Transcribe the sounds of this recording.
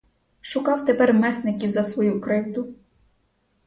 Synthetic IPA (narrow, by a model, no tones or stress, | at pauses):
ʃʊkɑwt̪epɛrmɛsnɪkʲiwzɐsʋɔjukɾɪwd̪ʊ